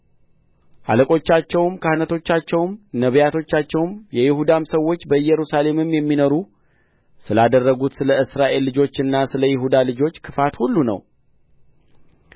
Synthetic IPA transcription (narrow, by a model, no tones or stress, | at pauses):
ʔa̰ləkʼo̞t͡ʃːat͡ʃːɛwmkʰahnət̪ʰo̞t͡ʃːat͡ʃːɛwmnəβjat̪ʰo̞t͡ʃːat͡ʃːɛwmjɛjɪhud̪amsəwːo̞t͡ʃːbəɨjːɛɾusale̞mɨmjɛmːinoɾu | sɨlad̪ərːəɡut̪sɨləɨsɾaʔe̞lːɨd͡ʒo̞t͡ʃːɨnːasɨləjɪɦud̪alɨd͡ʒo̞t͡ʃːkʰɨfat̪hulːunə̰w